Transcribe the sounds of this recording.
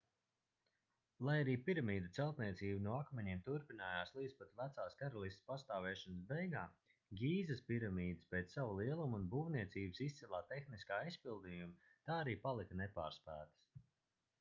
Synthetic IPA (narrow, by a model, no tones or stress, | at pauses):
lˠajaɾiːpiɾamiːd̪ut̪sɛlˠt̪niɛt̪siːbnɔakmɛɲiɛmt̪uɾpinaːjaːslˠiːd̪spat̪væt̪saːskaɾalˠist̪spast̪aːvɛːʃɔnəs̬bejɡaː | ɡʲiːzəspiɾamiːd̪ɨspeːt̪ssavulˠiɛlˠumunbuːvniɛt̪siːbəsist̪ɛlˠaːt̪ːexniskaːijspilˠd̪ijumit̪aːaɾiːpalˠikənepa̰ːɾspæːt̪ə̥s